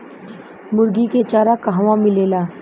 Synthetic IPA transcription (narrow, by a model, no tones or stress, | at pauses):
mʊɾɡiket͡ʃaːɾakɐɦʋãmɪleːlaː